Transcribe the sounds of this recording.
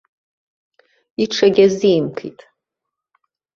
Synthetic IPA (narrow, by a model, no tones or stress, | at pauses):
iʈ͡ʂʰaɡʲaziːmkʰḭtʼ